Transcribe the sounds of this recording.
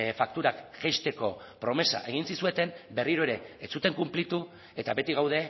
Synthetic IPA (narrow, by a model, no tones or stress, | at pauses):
fak̚t̪uɾakʝejst̪e̞ko̞pɾo̞me̞sa̰ʔe̞ɣ̞insisue̞t̪e̞mbe̞riɾoe̞ɾe̞ːt͡sut̪e̞ŋkumplit̪u | e̞t̪abe̞t̪iɣ̞awðe̞